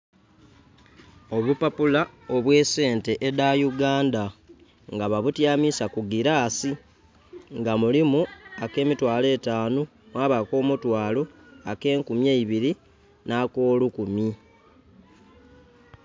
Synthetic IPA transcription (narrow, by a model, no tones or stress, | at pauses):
o̞βupapulao̞βwe̞ːse̞ːnte̞ʔedajuɡaːnda | ŋɡaβaβutjaːmisakuɡiɾaːsi | ŋɡamulimuake̞ːmitwaːle̞ːtaːno | mwaːβako̞ːmutwaːlo̞ake̞ːŋkumjeiβiɾi | nako̞ːlukumi